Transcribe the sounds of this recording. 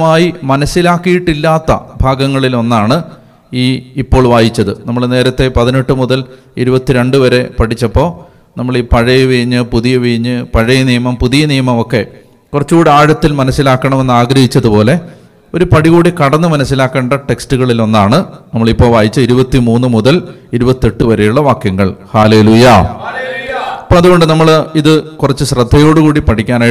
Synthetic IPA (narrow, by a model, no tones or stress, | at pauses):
maːjimɐnɐsːilaːkːijiʈːilːaːt̪ːɐ̰bʱaːɡɐŋːɐɭilo̞nːaːɳɨ | iːipːo̞ːɭʋaːjit͡ɕːɐðɨnɐmːɐɭne̞ːɾɐt̪ːe̞pɐðine̞ʈːɨmuðɐl | iɾubɐt̪ːiɾe̞ɳɖɨʋɐɾe̞pɐʈʰit͡ɕːɐpːo̞ː | nɐmːɐɭiːpɐɻɐjʋiɻiɲːɨpuðijɐʋiɻiɲːɨpɐɻɐjɐnijɐmɐmpuðijɐnijɐmɐmo̞kːe̞ | kurɐt͡ɕːuːɽɨaːɻɐt̪ːilmɐnɐsːilaːkːɐɳɐme̞nːaːɡɾɐhit͡ɕːɐðupo̞ːle̞ | o̞ɾupɐɽiɣuːɽikɐɽɐnːɨmɐnɐsːilaːkːeːɳɖɐʈe̞kstuɣɐɭilo̞nːaːɳɨnɐmːɐɭipːo̞ːʋaːjit͡ɕːɐiɾubɐt̪ːimuːnːɨmuðɐl | iɾubɐt̪ːie̞ʈːɨʋɐɾejuɭːɐʋaːkjɐŋːɐɭhaːle̞ːluːjɐ | ipːoːɐðuɣo̞ɳɖɨnɐmːɐɭiðɨkurɐt͡ɕːɨɕrɐd̪ʱːɐjo̞ːɽukuːɽipɐʈʰikʲːaːnaːj